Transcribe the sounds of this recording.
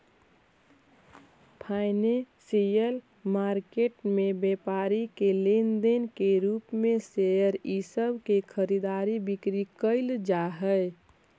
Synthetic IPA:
pʰaɪnesijəl | maɾkeʈmebepaɾikelend̪enkeɾupmesejəɾisəbʱkekʰəɾid̪aɾibikɾikəɪld͡ʒaɦə

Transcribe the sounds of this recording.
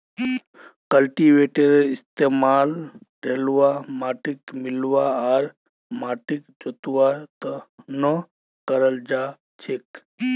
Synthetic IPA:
kəlʈiʋeʈeɾeɪst̪eːmaːlɾeːlʋamaːʈikmɪlʋaaɾ | maːʈikd͡ʒot̪ʋat̪ənə | kəɾəld͡ʒa | t͡ʃʰek

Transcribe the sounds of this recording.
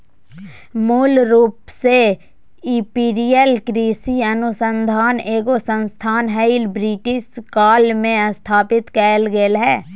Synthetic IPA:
muːlɾuːpse | ɪpiːɾijəlkɾiːsiɐnʊsə̃nd̪ʱaːneːɡosə̃nst̪ʰaːnɦəɪlbɾiːʈɪʃkaːlmẽəst̪ʰaːpɪt̪kɛːlɡelɦɛː

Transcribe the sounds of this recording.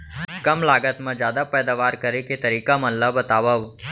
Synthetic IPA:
kɐmlaːɡət̪mẽd͡ʒjaːd̪apɛːd̪aːʋaːɾkɐɾeket̪ɐɾiːkamɐ̃nləbɐt̪aːʋəʋ

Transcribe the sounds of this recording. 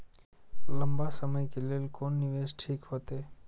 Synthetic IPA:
ləmbasəməjkeleːlkoːnːɪʋeːsʈʰiːkɦoːt̪eː

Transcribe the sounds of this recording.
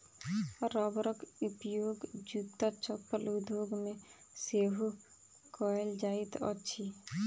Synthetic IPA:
ɾɔːbɾəkupjoːɡd͡ʒuːt̪ːat͡ʃəpːəlud̪ʱjoːɡmẽ | seːɦu | kɔːjld͡ʒaːit̪ə̰tːʃʰi

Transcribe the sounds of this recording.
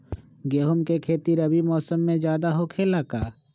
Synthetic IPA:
ɡeːɦʊmkekʰeːt̪iɾɐbimɔːsəmːẽd͡ʒjaːd̪aɦokʰelakaː

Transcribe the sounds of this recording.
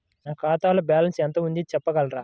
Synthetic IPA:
naːkaːt̪aːlɐbjaːlɐnsɛnt̪ɐund̪it͡ʃɛpːɐɡɐlɐɾaː

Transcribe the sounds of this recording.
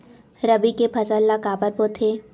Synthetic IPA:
ɾɐbikepʰɐsəlːakaːbəɾpot̪ʰeː

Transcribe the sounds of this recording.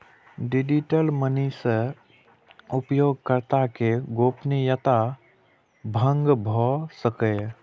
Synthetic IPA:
ɖɪd͡ʒiʈəlmənisə | ʊpjoːɡ̚kəɾt̪akeɡoːpnijət̪a | bʱə̃ŋɡbʱɔsəkə

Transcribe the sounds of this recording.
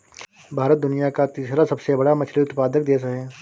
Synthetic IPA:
bʱaːɾət̪̚d̪ʊnijakat̪iːsɾasɐbsebɐɽamɐt͡ʃʰliʊt̪paːd̪ək̚d̪eːsɐɦɛː

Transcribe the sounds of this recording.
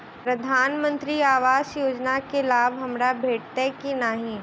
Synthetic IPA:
pɾɐd̪ʱaːnmə̃nt̪ɾiaːʋaːʃjoːd͡ʒnakelaːbɦɐmɾabʱeːʈ̚t̪ekinaɦĩ

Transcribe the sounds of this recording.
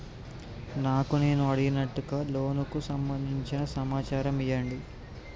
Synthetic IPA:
naːkune̞ːnuɐɽiɡinɐʈːuɡaːlo̞ːnukusɐmbɐnd̪ʱiɲt͡ʃinɐsɐmaːt͡ʃaːɾɐmijɐɳɖi

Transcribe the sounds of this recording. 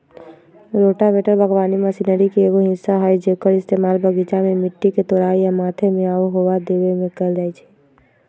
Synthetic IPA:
ɾoːʈabeːʈəɾbʱəɡʋaːniməsinəɾikieːɡoɦɪsːaɦaːid͡ʒeːkəɾɪst̪eːmaːlbəɡit͡ʃamẽmɪʈːiket̪oːɾaːijamaːt̪ʰemẽaːoɦoʋad̪eːʋemẽkəld͡ʒaːit͡ʃʰi̥

